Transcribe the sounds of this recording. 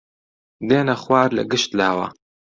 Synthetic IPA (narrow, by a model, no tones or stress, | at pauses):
d̪eːnɐxwaːɾlɐ̰ɡɨʃt̪laːwa̰